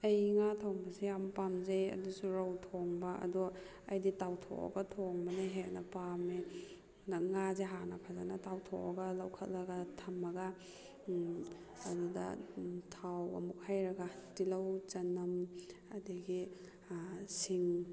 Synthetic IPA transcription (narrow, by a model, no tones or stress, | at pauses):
ɐjŋatʰawmɐsijampamzejɐ̰dusuɾawtʰoŋbɐɐ̰dɔ | ɐ̰jditawtʰo̰ʔɐ̰ɡɐtʰoŋbɐneɦenɐpame | naŋazeɦanɐpʰazanatawtʰo̰ʔɐɡɐlɐwkʰɐt̚lɐɡatʰɐmɐɡɐ | dudɐ̰tʰawɐ̰muk̚hajɾɐɡatilɐwt͡ʃɐnɐmɐdiɡi | siŋ